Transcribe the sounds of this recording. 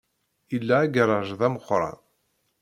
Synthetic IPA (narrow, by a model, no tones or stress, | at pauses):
ilːaːɡɾˤɑʒðæməχɾˤɑ̰n